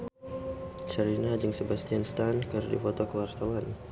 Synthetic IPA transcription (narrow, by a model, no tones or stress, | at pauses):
t͡ʃəɾinad͡ʒəŋsəbast̪ianst̪ankərdḭfɔt̪okəwart̪awan